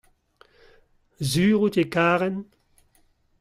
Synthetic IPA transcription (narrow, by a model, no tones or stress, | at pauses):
zyːʁut̪ekaːʁɛn